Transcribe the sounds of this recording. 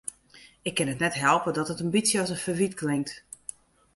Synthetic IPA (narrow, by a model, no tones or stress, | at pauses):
ɪkʰːɪnətnɛtɦɛlˠpədɔtətəmbisjəɔsənfəʋitklɪŋk̚t